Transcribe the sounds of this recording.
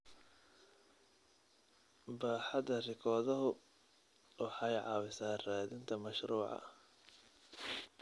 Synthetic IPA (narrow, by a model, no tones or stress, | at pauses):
baːħɑðɐrɪkʰɔːðɐɦʊ | wɑħɑjʕɑ̰ːwɪsaːraːðɪnt̪ʰɐmɐʃruːʕɑ̰